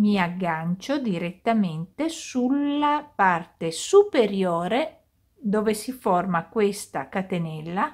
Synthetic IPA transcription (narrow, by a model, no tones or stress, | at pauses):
miaɡːant͡ʃod̪iɾet̪ːament̪esulːapart̪esupeɾjoːɾe | d̪oːvesiformakwest̪a̰kat̪enɛlːa